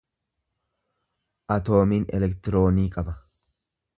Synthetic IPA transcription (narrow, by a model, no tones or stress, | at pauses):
ʔɐt̪o̞ːmiːnɛ̰lɛkt̪ɪɾo̞ːniːkʼɐbɐ